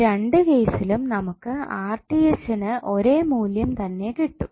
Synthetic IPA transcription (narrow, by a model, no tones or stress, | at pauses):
ɾe̞ɳɖɨkejsilumnɐmukːɨaːrʈːijesɐnɨʔo̞ɾe̞ːmuːljɐmt̪ɐnːe̞kiʈːu